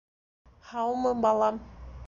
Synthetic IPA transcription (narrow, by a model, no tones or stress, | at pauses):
hɑwmɤbɑlˠɑm